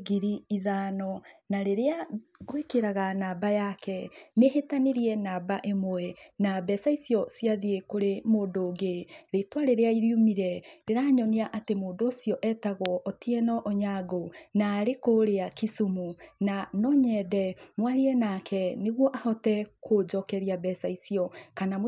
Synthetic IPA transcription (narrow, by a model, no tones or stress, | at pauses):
ɡiɾiːðaːnɔnaɾeɾeaɣowekeɾaɣanaːbajakɛnehetaneɾiɛnaːbaʔemoɛnabɛsaisiɔsiaðiekoɾemoːndoːɡeɾetwaɾeɾeaiɾjumiɾɛɾeɾaːɲɔniaʔatemoːndoːsiɔʔɛtaɣɔʔɔtiɛnɔʔɔɲaɡonaːɾekoɾeakisumunanɔɲɛdɛmwaɾiɛnakʰɛneɣwɔʔahɔtɛkʰod͡ʒɔkɛɾiabɛsaisiɔkanam